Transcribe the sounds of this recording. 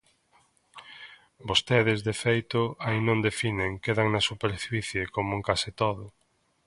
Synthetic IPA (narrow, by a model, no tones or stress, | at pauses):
bost̪eðɪzðefejt̪ʊainõnd̪efineŋkeðaŋnɐsupeɾfiθjekomoeŋkasɪt̪oðʊ